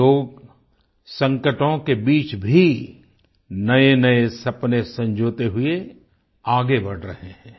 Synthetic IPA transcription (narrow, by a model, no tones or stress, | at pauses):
oːɡ | sɐ̃ŋkəʈõkebiːt͡ʃbʱi | nɐenɐesɐpnesɐ̃ɲd͡ʒʱoːt̪eɦʊe | aːɡebɐɽ̤ɾɐɦeɦɛ̃ː